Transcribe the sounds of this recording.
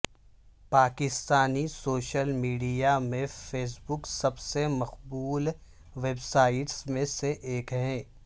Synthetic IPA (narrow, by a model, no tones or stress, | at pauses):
paːkɪst̪aːnisoːʃəlmiːɖijamẽfeːs̬bʊksɐbsemɐqbuːl | ʋeːbsaːɪʈsmẽseʔeːkɦɛ̃ː